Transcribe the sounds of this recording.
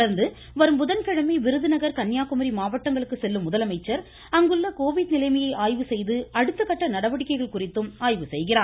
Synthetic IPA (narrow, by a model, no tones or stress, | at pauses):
ɐɾnd̪ɯ | ʋɐɾɯmbʊðɐnkɐɻɐmiʋɪɾɯðɯnɐɣɐɾkɐɳːjaːkɯmɐɾimaːʋɐʈːɐŋɡɐɭɯkːɯsɛlːɯmːʊðɐlɐmɐɪt͡ʃːɐɾ | ɐŋɡɯɭːɐkoːʋɪɽnɪlɐɪmɐjɐɪʔaːjʋɯsɛjðɯɐɽɯt̪ːɯkːɐʈːɐnɐɽɐʋɐɽɪkːɐɪɣɐɭkʊrɪt̪ːɯmaːjʋɯsɛjɣɪraː